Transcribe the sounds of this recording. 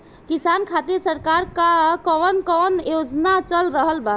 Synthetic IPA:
kisankʰat̪iɾsəɾkaɾkakɔənkɔnjod͡ʒnat͡ʃəlɾəɦəlba

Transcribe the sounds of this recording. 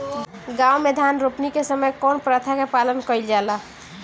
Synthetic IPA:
ɡawmed̪ʱanɾopnikesəməjkonpɾət̪ʰakepalənkəjld͡ʒala

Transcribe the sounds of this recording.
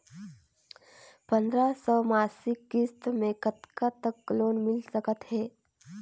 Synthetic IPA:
pə̃nd̪ɾasɔːmaːsɪkːɪst̪mẽkət̪kat̪əkːloːnmɪlsəkət̪ɦɛː

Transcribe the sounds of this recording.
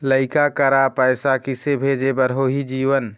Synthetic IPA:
ləɪkakəɾapəːsakɪsebʱed͡ʒebəɾɦoːɦid͡ʒiːʋən

